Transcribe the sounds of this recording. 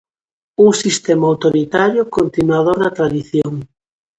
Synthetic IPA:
uŋsist̪ɛmaawt̪oɾit̪aɾjʊkont̪inwað̞onat̪ɾaðiθjoŋ

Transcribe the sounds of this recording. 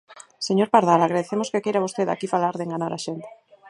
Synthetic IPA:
seɲoɾpaɾðalaɣɾaðeθemoskekejɾaβost̪eða̰kifalaɾðeŋɡanaɾaʃent̪e̥

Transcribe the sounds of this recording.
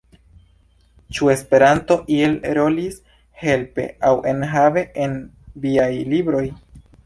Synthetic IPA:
t͡ʃue̞spe̞ɾanto̞ʔie̞lɾo̞lis | he̞lpe̞̰awʔe̞nɦave̞ʔen | viajlibɾo̞j

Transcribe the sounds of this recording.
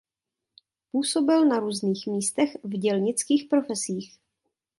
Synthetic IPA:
puːso̞bɪlnaɾuːzniːxmiːst̪ɛxvɟɛlɲɪt͡skiːxpɾo̞fɛsiːx

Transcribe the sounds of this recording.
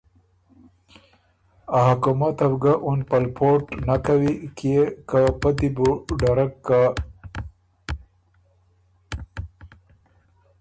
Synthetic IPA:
aɦakumat̪abɡaʔunpalpʰoʈnakawikekapat̪ibuɖaɾakːa

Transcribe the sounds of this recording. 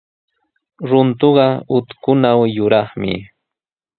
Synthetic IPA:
ɾʊnt̪oɢɑʊt̪kʊnawjʊɾɑχmɪ̰

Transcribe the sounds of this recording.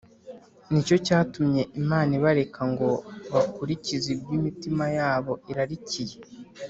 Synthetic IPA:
nico̞caːtumɲe̞ʔimaːniβaɾe̞kʰaŋɡo̞βakuɾicizibɡimitimajaːβo̞iɾaɾicije̞

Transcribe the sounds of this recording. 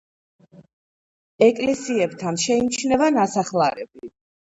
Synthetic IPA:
ɛkʼlɛsiɛbt̪ʰanʃɛimt͡ʃʰnɛvanasaχlˠaɾɛ̰bi

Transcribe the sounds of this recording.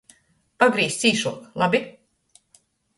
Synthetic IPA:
paɡɾiːst̪siːʃuɔklˠabʲi

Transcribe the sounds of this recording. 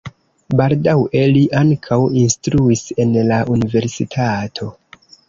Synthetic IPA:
baldawe̞liʔaŋkʰawinstɾuise̞nlaʔunive̞ɾsḭtʰatʰo̞

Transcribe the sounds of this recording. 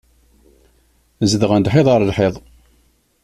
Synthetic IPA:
zəðəʁænd̪ħeðˤɑɾˤlħeðˤ

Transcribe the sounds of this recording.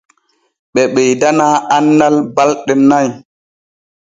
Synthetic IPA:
ɓɛɓɛjdanaːʔanːalbalɗɛnaj

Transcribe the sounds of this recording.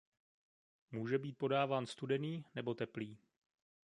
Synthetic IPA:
muːʒɛbiːt̪̚po̞daːvaːnst̪udɛniːnɛbo̞t̪ɛpliː

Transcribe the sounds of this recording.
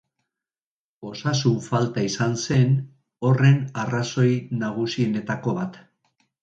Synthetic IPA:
o̞sasuɱfalt̪aisanse̞n | o̞re̞naraso̞jnaɣ̞usiene̞t̪ako̞βat̪

